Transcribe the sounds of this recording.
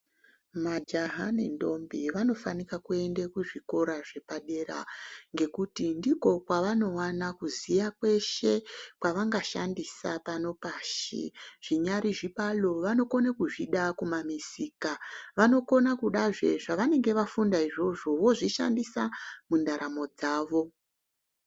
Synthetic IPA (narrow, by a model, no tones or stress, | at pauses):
mad͡ʒaɦanḛndo̞mbiʋano̞fanikakue̞ndekuʐiko̞ɾaʐe̞paɗe̞ɾa̰ŋɡe̞kutindiko̞kwaʋano̞wanakuzijakwe̞ʃe̞kwaʋaŋɡaʃandisa̰pano̞paʃḭʐ̥iɲaɾiʐipalo̞ʋano̞ko̞nekuʐiɗakumamisiːkaʋano̞ko̞nakuɗaʐe̞ʐaʋane̞ŋɡe̞ʋafundaiʐo̞ʐo̞wo̞ʐiʃa̰ndisamundaɾʔamo̞d͡zaːʋo̞